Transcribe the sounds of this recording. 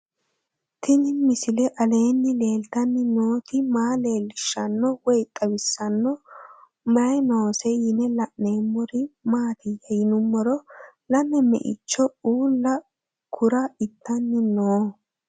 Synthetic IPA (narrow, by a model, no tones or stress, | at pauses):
t̪ʰɪnɪnmɪsɪlɛʔɐle̞ːnːɪle̞ːlt̪ɐnːɪnoːt̪ɪmaːle̞ːlːɪʃːɐnːɔwɔjt̪ʼːɐbɪsːɐnːɔ | mɐjnoːsɛɪnɛlɐʔne̞ːmːɔɾɪmaːt̪ɪjɛjɪnʊmːɔɾɔlɐnːɛmɛ̰ʔɪ̰t͡ʃːɔuːlːɐ | kʰʊɾɐɪt̪ːɐnːɪnoː